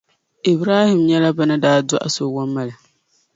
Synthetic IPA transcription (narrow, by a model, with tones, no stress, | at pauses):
i˨bɾaː˦hɪ˨mɲɛ˦la˦ba˦nɨ˦daː˦dʊ˦ʔa̰˨so˦˨wa˦mːa˨lɨ˨